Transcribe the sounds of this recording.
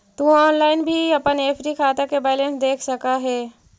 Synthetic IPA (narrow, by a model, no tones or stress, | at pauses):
t̪ũɔːnlaːɪnbʱiɐpəneːfʰɾikʰaːt̪akebɛːlẽnsd̪eːkʰsɐkaɦɛː